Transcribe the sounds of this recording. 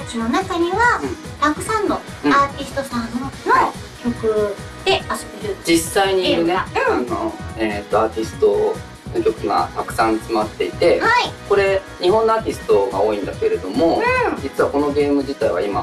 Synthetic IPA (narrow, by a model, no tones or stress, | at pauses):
kʲino̞nakaɲ̟iβaɯ̟̃ɴɾakɯ̟sãnːo̞ | ɯaːt̪ʲisɨ̥t̪o̞sãnno | kʲo̞kɯ̟ | d̪̥e̞ast̪ːeɾɯd͡ʑisːaiɲ̟inno̰eːt̪ːo̞aːt̪ʲisɨ̥t̪o̞ | nokʲo̞kɯ̟ɡa̰t̪akɯ̟̥sãnt͡sɨmat̪ːe̞it̪e̞haiko̞ɾe̞ | ɲ̟iɦõ̞nːoaːt̪ʲisɨ̥t̪o̞ɡa̰o̞ːĩnd̪ake̞ɾe̞d̪o̞mo̞d͡ʑit͡sɨβako̞no̞ɡe̞ːmɯ̟d͡ʑit̪aiβa̰ima̰